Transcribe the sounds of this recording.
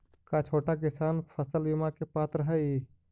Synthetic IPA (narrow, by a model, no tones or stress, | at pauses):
kat͡ʃʰoːʈak̬ɪsanpʰəsəlbimakepaːt̪ɾəɦəj